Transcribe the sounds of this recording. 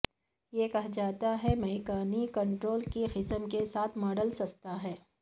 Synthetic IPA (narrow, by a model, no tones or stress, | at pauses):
jekɐɦd͡ʒaːt̪aɦɛmɐɦikaːnikɐ̃ɳʈɾoːlkixɪsəmkesaːt̪ʰmɔːɖəlsɐkt̪aɦɛː